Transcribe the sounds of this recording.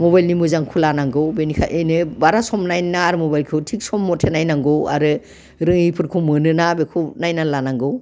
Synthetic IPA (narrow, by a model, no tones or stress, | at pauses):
mɔβajlnimɯzaŋkʰulanaŋɡɯwbenikʰa̰ʔejnɯbaɾasɔmnajnaɾmɔbajlkʰɯwtʰik̚sɔmːɔtʰenajnaŋɡɔwa̰ɾɯ | ɾɯŋipʰɯɾkʰumɯnɯnabekʰunajnanlanaŋɡɯw